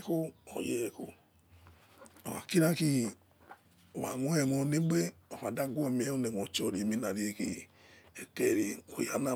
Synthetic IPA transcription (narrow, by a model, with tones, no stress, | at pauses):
ko˦o̰˨je˨˦e˨ko̰˧ | o˨a̰˨ki˦ɾa˦ki˦ | o˨wa̰˨ŋʷo˦e˨ŋɔ˧˨ne˦ɡ͡be˦o˨fa˨da˦ɡʷo˦˨mi˨˦e˦o˦ne˨ŋʷo˨t͡ʃo˨ɾi˨mi˦na˨ɾi˦e˧˦kḭ˦ | e˨te˨ɾi˨o˨ja˨˦na˦˨